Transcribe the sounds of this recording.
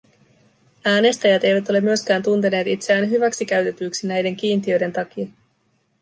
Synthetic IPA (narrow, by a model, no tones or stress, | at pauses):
æːne̞st̪æjæt̪e̞jʋæt̪o̞le̞mːyøsk̟æːnt̪unt̪e̞ne̞ːt̪it̪seæːnɦyʋæksik̟æɥt̪e̞t̪yːksinæjde̞ŋk̟iːnt̪iø̞jde̞nt̪ɑk̟iɑ